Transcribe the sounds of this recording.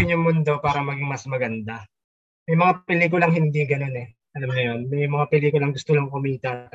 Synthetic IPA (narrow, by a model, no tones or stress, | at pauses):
ɪɲʊŋmʊnd̪o̞paːɾɐmɐɡɪŋmɐsmɐɡɐnd̪a | mɛjmɐŋapɪliːkʊlɐŋɦɪnd̪iːɡɐno̞nɛ | ʔɐlamnʊjo̞nmɛjmɐŋapɛliːkʊlɐŋɡʊst̪olaŋkʊmiːt̪ɐ